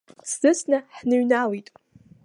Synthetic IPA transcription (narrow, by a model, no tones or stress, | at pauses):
szɨsnɨħnɨɥnalitʼ